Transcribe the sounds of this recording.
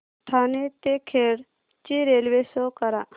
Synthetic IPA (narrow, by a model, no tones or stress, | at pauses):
ʈ̪ʰanet̪ekʰeɽ | t͡ʃiɾelʋesokɐɾa